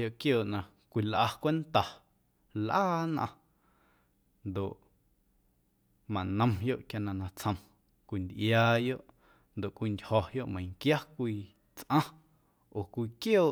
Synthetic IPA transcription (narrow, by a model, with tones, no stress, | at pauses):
jo˧˨ʔkjoː˨ʔnã˧ | kʷi˧lʔa˧kʷe˦nt̪a˨ | lʔaː˦nã̰˧ | nd̪o˨ʔ | mã˨nə̃˧mjo˦ʔkja˧nã˧nã˧t͡sʰə̃˧m | kʷi˨˧nd̪ʔjaː˧jo˦˨ʔ | nd̪o˨ʔkʷi˧ndʲhɔ˨jo˦ʔmə̃˨jŋkja˦kʷiː˧ | t͡sʔã˦ | o˨kʷiː˧kjoː˦˨